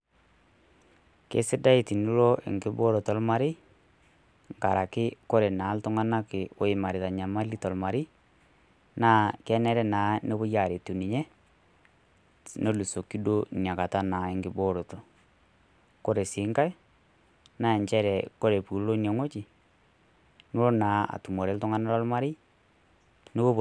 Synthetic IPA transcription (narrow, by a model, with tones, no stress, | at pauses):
kḛ˦sɪ˦da˦i˨ti˨nu˦lo˦ʔɪ̰˨ŋɡɪ˦bo˦ɾo˨tɔ˨lma˨ɾɪ˦ | ŋɡa˨ɾa˨kɪ˦ko˦ɾe˨na˨˦ltʊ˦ŋa˦na˦kɪ˨o˦ɪ˨ma˨ɾɪ˨ta˨ɲa˨ma˦li˦tɔ˨lma˨ɾɪ˦ | naː˦kɛ˦nɛ˦ɾɛ˦naː˨˦ne˦bʊ˦ja˨ɾe˨tu˨ni˨ɲɛ˦ | no˦lu˨so˨ki˦do˦nja˨ka˨ta˦naː˨ɪ˦ŋɡɪ˨bo˦ɾo˨to˨ | ko˦ɾe˨sɪ˨˦ŋka˦j | na˦ɛ˨ɲt͡ʃɛ˦ɾɛ˨ko˦ɾe˨pu˨lo˦ne˨ŋo˦t͡ʃɪ˨ | no˦o˦naː˨˦a̰˨tu˨mo˨ɾe˦ltʊ˦ŋa˦na˦lɔ˦lma˦ɾɪ˦ | no˦ɣo˦β